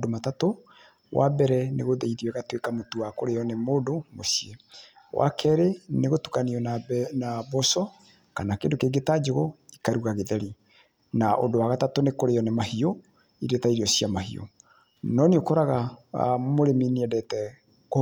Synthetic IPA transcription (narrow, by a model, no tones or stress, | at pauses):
domatato | wʔa̰bɛɾɛneɣoðɛiðiwɛɣatwekamotuwakoɾeɔnemoːdomosie | wʔa̰kʰɛɾeneɣotu̥kaniɔnanabɔsɔ | kanakendokeɡetad͡ʒoɣoikaɾuɣaɣeðɛɾi | naʔo̰dowaɣatatonekoɾeɔnemahio | iɾetaiɾiɔsiamahḭo̰ | nɔneokɔɾaɣa | moɾeminiɛdɛtɛ | k